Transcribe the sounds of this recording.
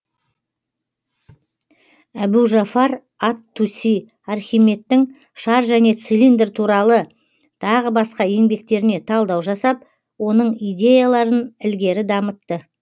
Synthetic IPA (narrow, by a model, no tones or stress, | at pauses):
æbuʒafɑɾ | ɑt̪ʰːusij | ɑrχʲijme̞t̪ːɪŋ | ʃɑɾʒæne̞t̪silʲind̪ɾt̪ʰuɾɑlˠə | t̪ʰɑʁəbɑsqɑje̞ŋbe̞kt̪e̞ɾɪne̞t̪ʰɑlˠd̪ɑwʒɑsɑp̚ | wo̞nəɴijd̪ʲe̞jalˠɑɾənɪlɡʲe̞ɾɪd̪ɑmət̪ːə